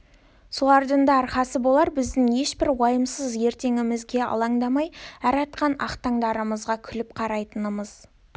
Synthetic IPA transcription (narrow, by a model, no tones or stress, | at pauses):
solˠɑɾd̪əɴd̪ɑːɾχɑsəbo̞lˠɑɾbɪzd̪ɪŋje̞ʃbɪɾwɑjəmsəzje̞ɾt̪e̞ŋɪmɪzɡʲe̞ɑ̰lˠɑŋd̪ɑmɑjæɾɑt̪̚qɑnɑ̰qt̪ɑŋd̪ɑɾəməzʁɑkʲʰʏlɪp̚qʰɑɾɑjt̪ənəməz̥